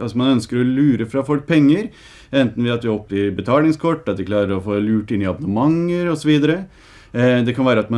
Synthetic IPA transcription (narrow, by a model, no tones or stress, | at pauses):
ɑsɔmɑnœnskəɾɔlʉːɾəfɾɑfɔlk̚pʰɛŋːəɾ | ɛnt̪n̩ʋɪɑt̪ʋɪɔpːɪbət̪ʰɑːlɪŋskʰɔʈːɑt̪ʋɪklɑːɾəɾɔfoːlʉːʈɪnːɪɑbɑnəmɑŋːəɾɔsɔʋiːd̪əɾə | d̪ɛkʰɑnʋæːɾəɑt̪mɑ